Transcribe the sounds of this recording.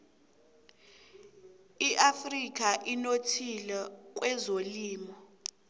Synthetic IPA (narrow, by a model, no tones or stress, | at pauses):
iʔafrik̬ʼaʔinotʰilɛk̬ʼwɛzoliːmɔ